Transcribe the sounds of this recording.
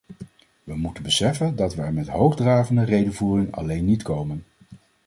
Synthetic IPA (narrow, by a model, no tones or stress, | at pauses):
ʋəmutənbəsɛfəndɑtʋəɛɹmɛtɦowχdraːvəndərejdəvuːrɪŋɑ̰lejnːitkowmən